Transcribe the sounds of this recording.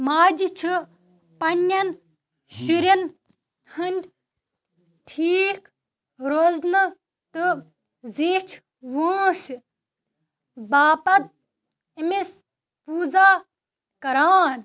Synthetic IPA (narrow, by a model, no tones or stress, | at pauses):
maːd͡ʒit͡ʃʰi | pɐnːɐn | ʃuɾɐn | hɐnʲd̪ʲ | ʈʰiːk | ɾoznɨ | t̪ɨ | zit͡ʃʰ | ʋuːs | baːpɐt̪̚ | imis | puːzaː | kɐɾaːn